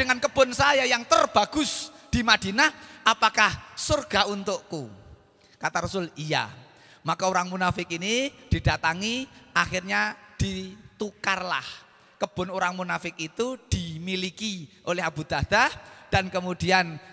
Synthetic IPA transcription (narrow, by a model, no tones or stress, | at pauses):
d̥əŋankəb̥ʊ̤nsajajaŋt̪ərb̥aɡ̥ʊsd̥imad̥i̤naʔapakahsorɡ̥aunt̪ʊʔku | kat̪aɾɔsʊlija̰ | makaoɾaŋmunafɪkinid̥i̤d̥a̤t̪aŋiʔaxirɲad̥it̪ukarla̰h | kəb̥ʊ̤noɾaŋmunafɪkit̪ud̥imilikiʔolɛɦab̥ud̪̥ahd̪̥ahd̥ankəmud̥ian